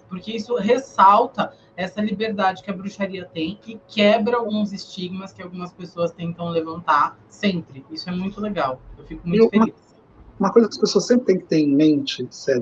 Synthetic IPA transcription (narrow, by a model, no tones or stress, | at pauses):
poɾkeisʊɦesawt̪ɐ | ɛsɐlibeɾd̪ad͡ʒɪkɪɐbɾuʃaɾiɐt̪ẽj̃ɪkɛbɾɐawɡũzɪst͡ʃiɡmɐskɪawɡũmɐspesoɐst̪ẽnt̪ɐ̃w̃levɐ̃nt̪a | sẽmpɾɪisʊɛmũj̃t̪ʊleɡawewfikʊmũʊfẽmɐlis | ũmɐkojzɐkɐspesoɐsẽmpɾɪt̪ẽj̃kɪ̥t̪ẽɾẽj̃mẽnt͡ʃɪsɛ